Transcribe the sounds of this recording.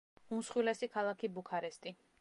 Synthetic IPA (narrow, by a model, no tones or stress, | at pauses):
umsχwilɛsikʰalˠakʰibukʰaɾɛst̪ʼi